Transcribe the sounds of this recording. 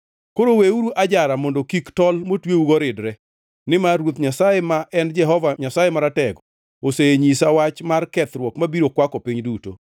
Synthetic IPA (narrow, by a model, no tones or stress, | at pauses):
koɾoweuɾuʔad͡ʒaɾamɔndokiktɔlmotweuɡɔɾɪdɾɛ | nɪmawot̪ɲasajemaʔɛnd͡ʒɛɦɔvaɲasajemaɾatɛɡ | oseɲisawat͡ʃmarkɛt̪ɾwɔkmabiɾokwakɔpɪɲduto̰